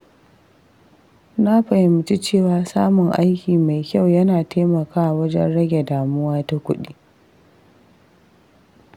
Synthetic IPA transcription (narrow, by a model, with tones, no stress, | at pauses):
na˦ɸɐ˨jɪ˨mʊ˨t͡ʃi˦t͡ʃeː˦˨waː˦saː˦mʊ˨ŋʔa̰˦jkʲiː˨ma˨jkʲa˦˨wjɐ˦naː˨teː˦mɐ˨kaː˦ʔa˨wɐ˦d͡ʒɛ̰˦nɽɐ˦ɡʲe˨daː˨mʊ˦waː˦ta˦kʷʊ˦ɗiː˦